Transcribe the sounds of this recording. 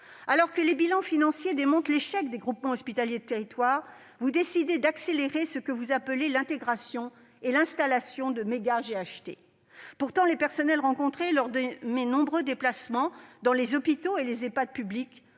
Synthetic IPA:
alɔʁkəlebilɑ̃finɑ̃sjed̪emɔ̃t̪leʃɛk̚d̪eɡʁupmɑ̃ɔspit̪aljed̪ət̪eʁit̪waʁ | vud̪esid̪ed̪akseleʁesəkəvuzapəlelɛ̃t̪eɡʁasjɔ̃ | elɛ̃st̪alasjɔ̃d̪əmeɡaʒeaʃt̪ḛ | puʁt̪ɑ̃lepɛʁsɔnɛlʁɑ̃kɔ̃t̪χelɔʁd̪əmenɔ̃bʁød̪eplasmɑ̃d̪ɑ̃lezɔpit̪oelezepad̪̚pyblik

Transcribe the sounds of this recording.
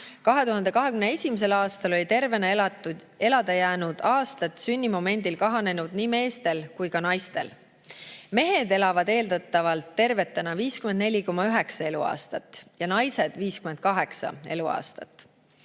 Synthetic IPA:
kɑɦe̞t̪uɦɑnd̪e̞kɑɦe̞kymnee̞sʲimise̞lɑːst̪ɑlo̞lʲit̪e̞rve̞nɑ | e̞lɑd̪̥ɑjæːnud̪̥ɑːst̪ɑt̪ˑsynʲːimo̞me̞nʲd̪̥ilkɑɦɑne̞nud̪̥niːme̞ːst̪e̞lkujkɑnɑjst̪e̞̰l | me̞ɦe̞d̪̥e̞lɑvɑd̪e̞ːld̪ɑt̪ːˑɑvɑlt̪ːe̞rve̞t̪ːˑenɑviːskymend̪ne̞lʲiko̞mːɑyɦe̞ksɑe̞luɑ̰ːst̪ɑt̪ːˑjɑnɑjse̞d̪̥viːskyme̞nd̪̥̚kɑɦe̞ksɑ̰e̞luɑ̰ːst̪ɑ̰t̪ˑː

